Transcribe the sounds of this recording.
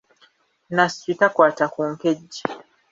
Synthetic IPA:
naswitakwaːtakuŋkeɟːi

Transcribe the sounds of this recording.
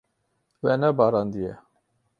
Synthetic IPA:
wɛnɛbɑːɾɑnd̪ijɛ

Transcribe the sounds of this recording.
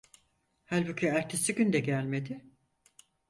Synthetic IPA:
hælʲbucʰiæɾt̪ʰesiɟʲynd̪ɛɟælʲme̞d̪ɪ

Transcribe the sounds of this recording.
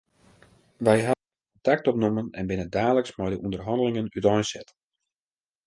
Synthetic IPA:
ʋɛjɦa | ntak̚tɔp̚numənɛnbɪnədaːləksmɛjdəʔundərɦɑndəlɪŋənytɔjnsɛt

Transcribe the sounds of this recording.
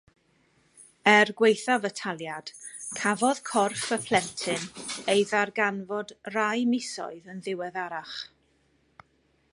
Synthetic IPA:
ɛrɡwejθavətʰalˠjad̥kʰavɔð̥kʰɔrfəpʰl̥ɛntʰɪnejðarɡanvɔdrajmɪsɔ̰ɨðənðɪwɛðaɾaχ

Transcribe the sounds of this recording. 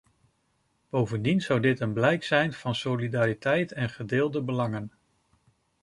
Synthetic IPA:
b̥owvəndinz̥ʌwdɪtənblɛjksɛjnv̥ɑnsolidaːɾitɛjtʰɛnχədɪːlˠdəbəlɑŋən

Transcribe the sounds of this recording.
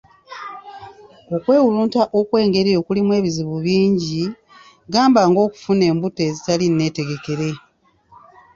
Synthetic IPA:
o̞kwe̞ːwuluːntaʔo̞kwe̞ːŋɡe̞ɾio̞kulimwe̞ːβiziβuβiːɲɟi | ɡaːmbaŋɡo̞ːku̥fune̞ːmbute̞zitaline̞ːte̞ɡe̞ke̞ɾe̞

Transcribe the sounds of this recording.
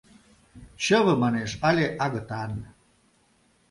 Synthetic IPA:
t͡ɕəβə̆mɑneʃɑlʲeʔɑɣə̆t̪ɑn

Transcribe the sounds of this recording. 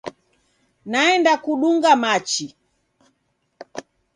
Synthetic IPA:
naɛndakuɗuŋɡamat͡ʃi

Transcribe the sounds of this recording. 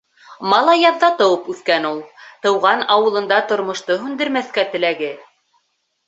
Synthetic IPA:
mɑlˠɑjɑðːɑt̪ɤ̆wɤpʉθkænulˠt̪ɤ̆wʁɑnɑwɤ̆lˠɤ̆nd̪ɑt̪ŏɾmŏʃt̪ɤɦʉnd̪ɘ̆ɾmæθkæt̪ɘ̆læɡɘ

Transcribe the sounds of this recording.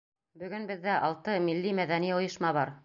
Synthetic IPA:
bɵ̆ɡɵnbɘ̆ðːæʔɑlˠt̪ɤmilːimæðæniŏjɤ̆ʃmɑβɑɾ

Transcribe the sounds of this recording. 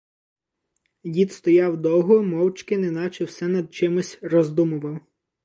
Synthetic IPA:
jʲit̪st̪ɔjɑwd̪ɔwɦʊmɔwt͡ʃkɪnɛnɑt͡ʃɛwsɛnɐd̪̚t͡ʃɪmʊsʲrɔzd̪umʊʋɐw

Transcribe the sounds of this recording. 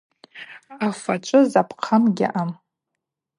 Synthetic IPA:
afat͡ʃʷʼɨzapʰqʰamɡʲɪ̰ʔam

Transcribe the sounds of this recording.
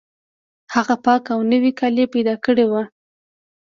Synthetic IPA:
haɣapɑkawnəwikalepajd̪ɑkəɽewa

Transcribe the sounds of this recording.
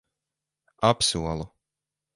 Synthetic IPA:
apsuɔlˠu

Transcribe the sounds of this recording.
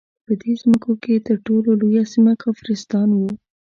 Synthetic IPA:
pəd̪ezməkoket̪əɾʈololojasimakɑfɾɪst̪ɑnwu

